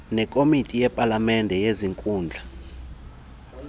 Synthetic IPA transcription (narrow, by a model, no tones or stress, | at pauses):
nɛkʼomitʼijɛpʼalamɛndʱɛjeziŋkʼuːnd͡ɮʱa